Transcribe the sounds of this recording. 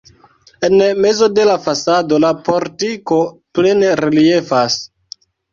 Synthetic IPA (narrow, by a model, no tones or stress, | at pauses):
e̞nme̞zo̞de̞lafasado̞lapoɾtiko̞ple̞neɾelie̞fas